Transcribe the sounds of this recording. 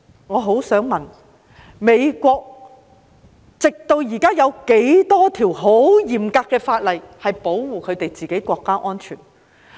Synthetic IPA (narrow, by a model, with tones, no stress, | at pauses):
ŋɔː˨˧ɦo˨˥wsœː˨˥ŋmɐ˨n | me˨˧jkʷɔː˧k̚ | t͡sɪ˨k̚t̪o˧wjiː˨˩kaː˥jɐ˨˧wke˨˥jt̪ɔː˥t̪ʰiː˨˩wɦo˨˥wjiː˨˩mkaː˧kːɛː˧faː˧t̚lɐ˨˩jhɐ˨jpo˨˥wwuː˨kʰɵ˨˧ɥt̪e˨jt͡siː˨ke˨˥jkʷɔː˧kːaː˥ʔɔː˥nt͡ʃʰy̰ː˨˩n